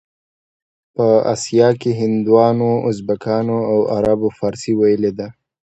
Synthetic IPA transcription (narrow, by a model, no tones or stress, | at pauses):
pəa̰sjɑkeɦɪnd̪wɑnoʊzbakɑnoawaɾabofɑːɾsiwajəled̪a